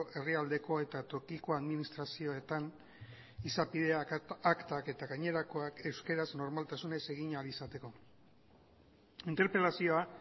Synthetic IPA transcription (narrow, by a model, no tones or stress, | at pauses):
ʔe̞riald̪e̞ko̞e̞t̪at̪o̞kiko̞aðminist̪ɾasio̞e̞t̪an | isapiðe̞aːkt̪ake̞t̪aɣaɲe̞ɾako̞ake̞wske̞ɾazno̞ɾmalt̪asune̞se̞ɣ̞iɲalisat̪e̞ko̞ | int̪eɾpɾe̞lasio̞a